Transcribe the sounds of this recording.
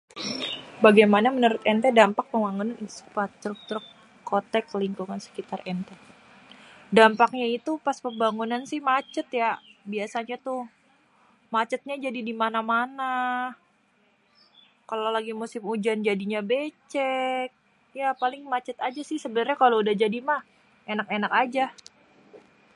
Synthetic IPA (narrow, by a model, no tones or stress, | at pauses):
baɡajmanamənəɾʊt̪ɛnt̪ɛdampak̚pəŋbaŋunaninsupat̪ɾʊk̚t̪ʊɾ | kot̪ɛkːəliŋkuŋansə̥kit̪arɛnt̪ɛ | dampak̚ɲait̪upaspəmbaŋunansɪhmat͡ʃət̪jabiasaɲat̪ʊ | mat͡ʃət̪̚ɲad͡ʒadidimanamana | kalolaɡimusɪmud͡ʒand͡ʒadiɲabet͡ʃɛk̚ | japalɪŋmat͡ʃət̪ad͡ʒasɪhsəbənərɲakaloudahd͡ʒadimah | enakenakad͡ʒa